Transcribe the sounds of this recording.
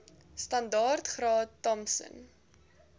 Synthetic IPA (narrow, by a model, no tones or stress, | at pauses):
stɐndɑːrtχrɑːtːɔmsə̰n